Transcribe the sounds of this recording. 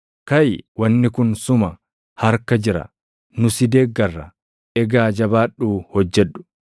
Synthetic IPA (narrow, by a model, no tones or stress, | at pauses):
kɐjwɐnːɪkʊnsʊmɐ | hɐɾkɐd͡ʒɪɾɐ̰ | nʊsɪd̪eːɡːɐrːɐ̰ | ʔɛɡaːd͡ʒɐbaːɗːuːhɔd͡ʒːɛᶑːʊ̥